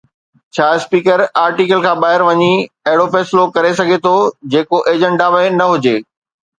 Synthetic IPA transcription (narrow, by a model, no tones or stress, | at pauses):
t͡ɕʰaːspiːkəɾaːɾʈiːkəlkʰãːɓaːɦɪɾʋɐɲi | ɐɦɪɽofɛːsɪlokɐɾesɐɡʱet̪ʰod͡ʑeːkoʔeːd͡ʑə̃ɳɖamenɐɦʊd͡ʑeː